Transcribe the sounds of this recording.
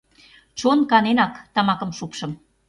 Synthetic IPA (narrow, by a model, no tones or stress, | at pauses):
t͡ɕonkɑnenɑkt̪ɑmɑkɤ̆mʃukʃɤ̆m